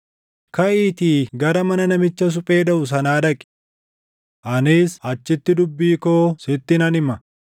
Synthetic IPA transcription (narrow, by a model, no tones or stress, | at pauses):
kɐʔiːt̪iːɡɐɾɐmɐnɐnɐmɪt͡ʃːɐs̬ʊpʼeːᶑɐʔʊs̬ɐnaːᶑ̪ɐkʼɪ̥ | ʔɐniːshɐt͡ʃːɪt̪ːɪd̪ʊbːiːkoːsɪt̪ːɪnɐnɪmɐ